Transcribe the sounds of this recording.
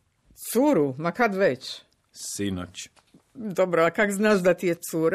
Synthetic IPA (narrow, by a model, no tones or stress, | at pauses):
t̪suɾumakad̪ʋet͡ʃ | sino̰t͡ɕ | d̪obɾoakakznaːʒd̪at̪ijesuːɾ